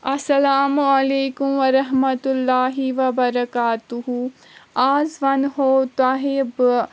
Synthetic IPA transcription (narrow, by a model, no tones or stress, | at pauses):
ɐsɐlaːmuɐleːkumʋɐɾɐɦmɐt̪ulːaːɦiʋɐbɐɾɐkaːt̪uɦu | aːzʋɐnɦoːt̪aːɦeb